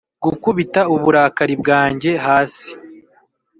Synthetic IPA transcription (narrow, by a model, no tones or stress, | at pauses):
ɡukuβitauβuɾaːkaɾibɡaːɲɟe̞ɦaːsi̥